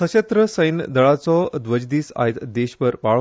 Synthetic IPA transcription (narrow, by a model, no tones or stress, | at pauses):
ət͡ɕet̪ɾəsəjnd̪əɭat͡sɔd̪ʋəd͡ʑd̪iːsa̰jt̪d̪eɕpəɾpaɭ